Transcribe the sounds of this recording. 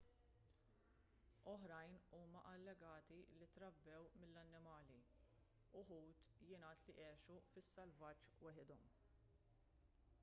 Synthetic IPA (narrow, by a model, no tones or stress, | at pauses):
ɔħɾɐjnuːmɐʔɐlːɛɡɐːt̪ilit̪ɾɐbːɛwmɪlːɐnːɪmɐːli | ʊħuːt̪jɪnɐːt̪liʔɛːʃufɪsːɐlvɐt͡ʃːwɛħɪd̪ɔm